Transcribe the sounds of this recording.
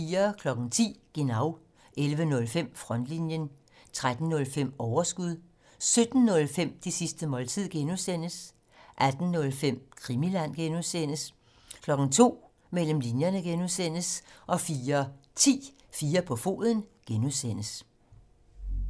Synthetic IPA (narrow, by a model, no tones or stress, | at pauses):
fiːɐkʰlɒ̽ɡ̥n̩t͡sʰḭːɡ̥enɑ̈ʊ | ʔelʋənɔ̽lfem̰fʁɒ̽n̰d̥linjən | t͡sʰʁad̥n̩ːɔ̽lfem̰ɒʊɐsɡ̥uð̞̰ˠ | sød̥n̩ːɔ̽lfem̰d̥isisd̥əmɒ̽lt͡sʰið̰ˠɡ̥enusen̰əs | ʔæd̥n̩ːɔ̽lfem̰kʰʁimilæn̰ɡ̥enuðˠsen̰əs | kʰlɒ̽ɡ̥ŋ̩t͡sʰo̝̰ː | mel̰m̩linjɐnəɡ̥enuðˠsen̰əsʔɒ̽fiːɐt͡sʰḭː | fiːɐpʰɒ̽fo̝̰ːðˠən̩ɡ̥enusen̰əs